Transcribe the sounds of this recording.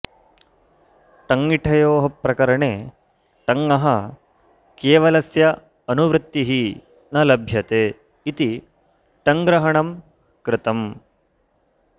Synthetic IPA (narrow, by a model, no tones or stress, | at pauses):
ʈɐŋɡiʈʰɐjoːɦɐpːɾɐkɐɾɐɳeː | ʈɐŋːɐɦɐ | keːʋɐlɐsjɐ | ɐnuʋɾɪt̪ːiɦi | nɐlɐbʱjɐt̪eː | it̪i | ʈɐŋɡɾɐɦɐɳɐm | kɾɪt̪ɐm